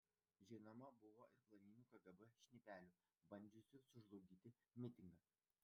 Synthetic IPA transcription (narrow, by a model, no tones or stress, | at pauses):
ʒʲɪɪnɐmɐbʊʋoːʔɪɾplˠɐnʲiːnʲuːkɐɡɐbɛʃʲnʲɛpʲæːlʲʊː | bɐnʲd͡ʒʲʊsʲɪsʊʒlˠɔʊɡʲiːt̪ʲɪmʲɪt̪ʲɪŋɡɐ